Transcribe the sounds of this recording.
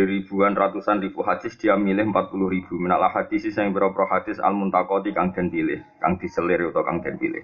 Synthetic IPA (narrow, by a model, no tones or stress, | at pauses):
iɾib̥ṳanrat̪usanrib̥uɦadd͡ʒ̥ɪsd̪̥iamilɪhmpat̪̚pulʊhɾib̥ṳminaʔlahad̪̥isisaŋpiɾɔpɾɔhad̪̥ɪsa̰lmunt̪akɔt̪ikaŋd̪̥ɛ̤npilɪh | ka̰ŋd̪̥i̤səlɪɾut̪ɔka̰ŋd̪̥ɛ̤npḭlɪ̰h